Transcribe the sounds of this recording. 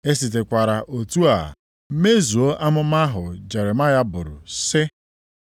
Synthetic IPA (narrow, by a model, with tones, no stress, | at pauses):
e˦si˨t̬e˨kʷa˨ɾa˨ʔo˨tu˦a̰˨˦ | me˦zu˨o˦ʔa˦mʊ˦m˦a˦ɦʊ˨d͡ʒe˨ɾe˨ma˦ja˦bʊ˨ɾʊ̰˨sɪ˦